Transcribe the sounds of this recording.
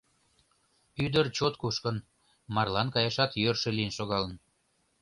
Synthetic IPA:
yd̪ərt͡ɕot̪kuʃkən | mɑrlɑnkɑjɑʃɑt̪jørʃeliənʃoɣɑlə̆n

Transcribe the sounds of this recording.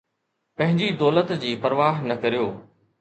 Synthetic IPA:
pɐ̃ɦɪ̃ɲd͡ʑid̪ɔːlət̪d͡ʑiːpɐɾʋaːɦnɐkɐɾijoː

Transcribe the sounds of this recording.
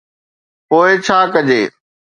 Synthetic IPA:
poːɪt͡ɕʰaːkɐd͡ʑeː

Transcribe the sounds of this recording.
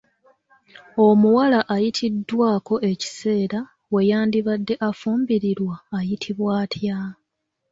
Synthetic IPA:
o̞muwalaʔajitʰidːwaːko̞ʔe̞ci̥se̞ːɾa | we̞jaːndiβadːe̞ʔafuːmbiɾiɾwaːjitʰiβwaːtʰja

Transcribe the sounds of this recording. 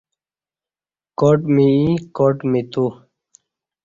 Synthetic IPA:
koʈmiikoʈmit̪u

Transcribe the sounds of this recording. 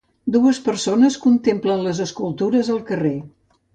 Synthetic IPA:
d̪uəspəɾsonəskunt̪emplənləzəskulˠt̪uɾəzəlˠkəre

